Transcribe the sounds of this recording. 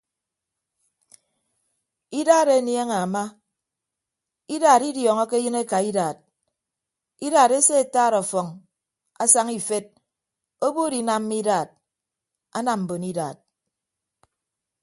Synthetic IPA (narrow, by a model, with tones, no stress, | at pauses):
i˦daː˦˨ɾe˦nje˦ŋa˨ma˦ | i˦daː˨ɾi˦djɔː˨ŋɔ˦ke˦jɨ˦ne˦ka˨i˦daː˨t̚ | i˦daː˨ɾe˦se˦e˨taː˦˨ɾɔ˨fɔ˨ŋ | a̰˦sa˦ŋi˦fe˦d̚ | o˦bo˦di˨na˨m̩ː˦i˦daː˨t̚ | a̰˦na˨m̩˨bo˨ni˦da̰ː˨t̚